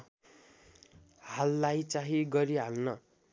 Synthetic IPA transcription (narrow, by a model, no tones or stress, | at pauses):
halːajt͡saɦiɡʌɾiɦalnʌ